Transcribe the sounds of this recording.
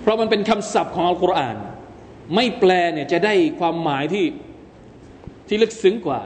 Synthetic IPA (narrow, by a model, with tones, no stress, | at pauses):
pʰɾɔ˦˥ma˧npe˧nkʰa˧msa˨˩p̚kʰɔː˩˦ŋʔa˧kɾa˧ʔaː˨˩n | ma˥˩jplɛː˧ni˥˩t͡ɕa˨˩daː˥˩jkʰwaː˧mːaː˩˦jt̪ʰiː˥˩ | t̪ʰiː˥˩lɯ˦˥˩k̚sɯ˦˥ŋkwaː˨˩